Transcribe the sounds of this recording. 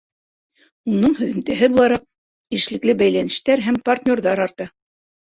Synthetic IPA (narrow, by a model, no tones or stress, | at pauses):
unɤɴhɵ̆ðɘ̆nt̪æɦɘbulˠɑɾɑq̚ | iʃlɘ̆klɘbæjlænɘ̆ʃt̪æɾɦæmpart̪ʲnʲo̞ɾðɑɾɑɾt̪ɤ